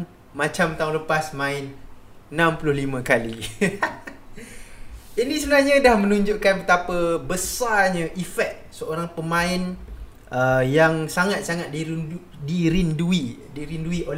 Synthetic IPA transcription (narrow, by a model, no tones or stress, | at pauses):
mat͡ʃamt̪aũŋləpasmãɪnnãmpulʊhlimãkali | inisəbənaɦɲadahmə̃nũɲd͡ʒuʔkanpət̪apəbəsarɲə̃ʔifɛk̪̚səoɾaŋpəmãɪn | əjaŋsaŋat̪̚saŋat̪̚din | diɾindui | diɾinduiʔol